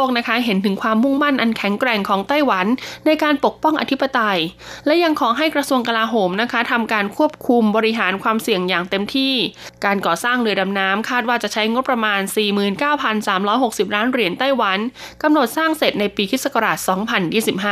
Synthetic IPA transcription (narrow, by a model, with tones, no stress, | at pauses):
oː˥˩k̚na˦˥kʰa˦˥ɦe˩˦nt̪ʰɯ˩˦ŋkʰwaː˧mːu˥˩ŋma˥˩nʔa˧nkʰɛ˨˩˦ŋkɾɛː˨˩ŋkʰɔː˩˦ŋt̪a˥˩jwa˩˦nːa˧jkaː˧npo˨˩k̚pɔ˥˩ŋʔa̰˧t̪ʰi˦˥pːa˧t̪a˧jlɛ˦˥ja˧ŋkʰɔː˩˦ɦa˥˩jkɾa˧su˧əŋka˧laː˧ɦoː˩˦mna˦˥kʰa˦˥t̪ʰa˧mkaː˧nkʰu˥˩əp̚kʰu˧mbɔː˧ɾi˦˥ɦaː˩˦nkʰwaː˧msi˨˩əŋjaː˨˩ŋt̪e˧mt̪ʰiː˥˩kaː˧nkɔː˨˩saː˥˩ŋlɯ˧əda˧mnaː˦˥mkʰaː˥˩t̪̚waː˥˩t͡ɕa˨˩t͡ɕʰa˦˥jŋo˦˥t̚pːɾa˧maː˧nsiː˨˩mɯː˨˩nkaː˥˩wpʰa˧nsaː˩˦mɾɔː˦˥jɦo˨˩k̚si˨˩p̚ɾaː˦˥nɾi˨˩ənt̪a˥˩jwa˩˦n | ka˧mno˨˩t̪̚saː˥˩ŋse˨˩t̪̚na˧jpiː˧pʰi˦˥sa˧ka˧ɾaː˨˩t̪̚sɔː˩˦ŋpʰa˧njiː˥˩si˨˩p̚haː˥˩